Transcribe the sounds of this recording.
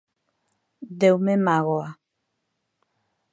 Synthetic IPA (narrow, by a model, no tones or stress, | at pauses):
dɛwmemaɣɔa